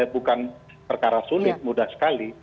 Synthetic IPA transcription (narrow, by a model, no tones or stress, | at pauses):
bukan | pərkaɾasulɪt̪̚mudahsə̥kali